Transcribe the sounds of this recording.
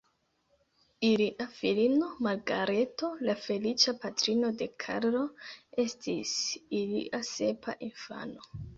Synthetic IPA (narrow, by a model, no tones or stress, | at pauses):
iliʔafilino̞malɡaɾe̞to̞lafe̞lit͡ʃapatɾino̞de̞kʰa̰ɾlo̞e̞stisilḭʔase̞pa̰ʔinfa̰no̞